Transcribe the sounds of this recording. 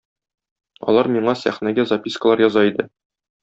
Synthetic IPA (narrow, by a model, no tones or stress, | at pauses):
ɒ̰lˠɑɾmiɴɑsæ̰χnæɡæzɐpʲiskəlˠɑɾjɒzɑid̪ɘ